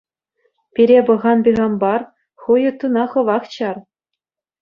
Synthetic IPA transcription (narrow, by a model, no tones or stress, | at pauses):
pʲiɾʲebɤ̆ʁɑnbʲiʁɑmbɑr | χujɤ̆t̪ːunɑχɤ̆ʋɑχt͡ɕɑr